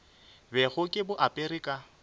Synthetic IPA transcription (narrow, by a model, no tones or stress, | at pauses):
bɛɣʊkʼɪbʊʔapʼerɪkʼa